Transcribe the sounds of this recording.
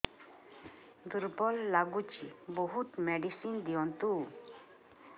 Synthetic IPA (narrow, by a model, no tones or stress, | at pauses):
d̪uɾbɔlːaɡut͡ʃibɔɦut̪mɛɖisind̪iɔnt̪u